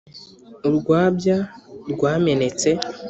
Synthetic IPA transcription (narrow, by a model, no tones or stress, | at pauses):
ubɡwaːbjabɡwaːme̞ne̞t͡se̞